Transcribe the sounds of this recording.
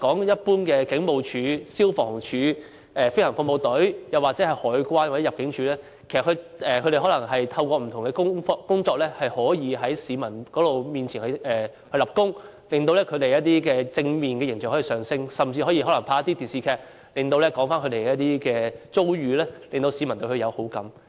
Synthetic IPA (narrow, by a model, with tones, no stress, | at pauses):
kɔː˨˥ŋjɐ˥t̚puː˥nkɛː˧kɪ˨˥ŋmo˨˧wt͡ʃʰyː˨˥siː˥wfɔː˨˩ŋt͡ʃʰyː˨˥ | ɛː˨fe˥hɐ˨˩ŋfʊ˧ŋmo˨wt̪ɵ˨˥ɥjɐ˨˩waː˨k̚t͡sɛ˨˥ɐ˨jhɔː˨˥jkʷwaː˥nwa˨˩t͡sɛ˨˥jɐ˨p̚kɪ˨˥ŋt͡ʃʰyː˨˧lɛː˥ | kʰe˨˩skʰɵ˧ɛː˨kʰɵ˨˧ɾe˨˩hɔː˨˥lɐ˨˩ŋɦɐ˨jt̪ʰɐ˧wkɔː˧m̩˨˩t̪ʰʊ˨˩ŋkɛː˧kʊ˥ŋfɔ˧kʊ˥ŋt͡sɔː˧k̚lɛː˥hɐ˨jhɔː˨˥jiː˨˧ɦɐ˨˥jsiː˨˧mɐ˨˩nkɔː˨˦˥lo˨˩wmiː˨˩nt͡sʰiː˨˩nhɐ˨˧ʔɛː˨ | hɵ˧lɐ˨˩p̚kʊ˥ŋ | lɪ˨ŋt̪o˧wlɛː˥kʰɵ˨˧t̪e˨jɐ˥t̚t̪iː˥kɛː˧t͡sɪ˧ŋmiː˨nkɛː˧jɪ˨˩ŋt͡ɕœː˨ŋʰhɔː˨˥i˨˧˩sœː˨ŋsɪ˥ŋsɐ˨mt͡siː˧hɔː˨˥jiː˧hɔː˨˥lɐ˨˩ŋpʰaː˧˥ɐ˥t̪i˥t̪iː˨˩nsiː˧kʰɛː˧k̚ | lɪ˨ŋt̪o˧wlɛː˥kɔː˨˥ŋfaː˥nkʰɵ˧t̪e˨˩kɛ˧jɐ˥t̪iː˥kɛː˧t͡so˥wɥyː˨˧lɛː˥le˨ŋt̪o˧wsiː˨˧mɐ˨˩nt̪ɵ˧kɵ˧jɐ˨˧who˨˥wkɐ˨˥m